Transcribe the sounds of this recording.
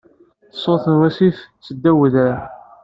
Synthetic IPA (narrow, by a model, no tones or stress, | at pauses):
θə̥sˤːoθənwæsiθt͡sːəd̪ːæwəðɾæ